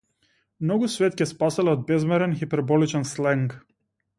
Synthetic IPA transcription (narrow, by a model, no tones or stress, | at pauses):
mnɔɡusvɛt̪cʲɛspasɛlɛɔd̪̚bɛzmɛɾɛnxipɛɾbɔlit͡ʃɛnslɛŋk